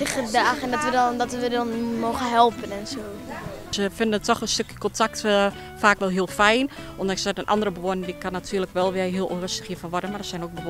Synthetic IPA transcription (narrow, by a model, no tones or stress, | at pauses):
tɪxədaːxɛndɔtʋədɔdɔtədɔnmoːxənɦɛlˠpənɛnsoː | səfɪndənətʰːɔxənstøkjəkɔntʰakt | faːkʋɛlˠɦiəlˠfɛjn | ʔɔndɔɪksɛdənʔa̰ndərəbəʋoənədikʰanːatʰyələkʋɛlˠʋɪəɦiəlˠorøstə̥xjiəfɔʋɔdənmadɔsɛjnok̚bə